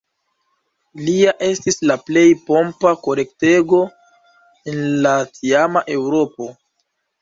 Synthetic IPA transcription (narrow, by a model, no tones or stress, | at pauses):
liaʔe̞stislaple̞jpo̞mpako̞le̞kte̞ɡo̞ | enlatiamaʔe̞wɾo̞po̞